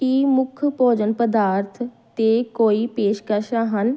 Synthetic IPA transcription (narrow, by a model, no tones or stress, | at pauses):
imʊkʰpɔːd͡ʒənpəd̪aːɾt̪ʰ | t̪ekoːipeːʃkəʃaːɦən